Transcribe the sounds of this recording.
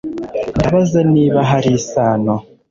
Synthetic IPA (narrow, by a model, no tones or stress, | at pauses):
ndaβazaniːβaɦaɾisaːno